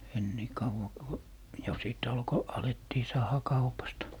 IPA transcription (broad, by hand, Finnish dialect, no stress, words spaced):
en niˑ kɑuʋɑ ku jo siˑt ɑlko ɑletːiː sɑːhɑ kɑupɑstɑ